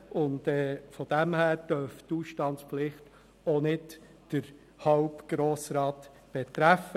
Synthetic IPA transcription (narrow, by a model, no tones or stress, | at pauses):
ʊndɛfɔd̥æmhæːɾd̥œɾftuːsʃtɑntspflɪχt | onɪt | d̥əɾ | hɑwpɡ̥ɾoːsɾɑːt | b̥etɾæfə